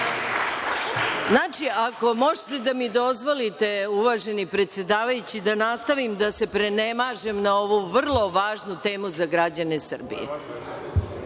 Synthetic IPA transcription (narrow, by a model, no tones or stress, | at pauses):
znaːt͡ʂiako̞mo̞ʒet̪e̞d̪amid̪o̞zʋo̞lit̪e̞uʋaːʒe̞nipɾe̞t̪se̞d̪aːʋajut͡ɕid̪anast̪aʋimd̪ase̞pɾe̞nemaːʒe̞mnao̞ʋuʋr̩lˠo̞ʋaːʒnut̪e̞ːmuzaɡɾad͡ʑanesɨr̩bḭjḛ